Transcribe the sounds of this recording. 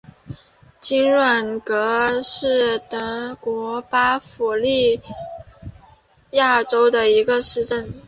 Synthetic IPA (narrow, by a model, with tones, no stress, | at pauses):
t͡ɕi˥nɻwa˨˩nkɤ˧˥ʂɻ̩˥˩t̪ə˧˥kwɔ˧˥pa˥fu˨˩li˥˧ | ja˥˩ʈ͡ʂo˥ʊd̪ə˨i˧˥ɡə˧ʂɻ̩˥˧ʈ͡ʂə˥˩n